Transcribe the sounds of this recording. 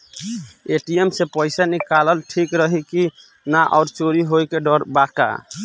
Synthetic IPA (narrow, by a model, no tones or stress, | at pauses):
eʈiemsepəɪsanikaləlʈʰikɾəɦiki | naʔɔʊɾt͡ʃoɾiɦojkeɖɔɾbaka̰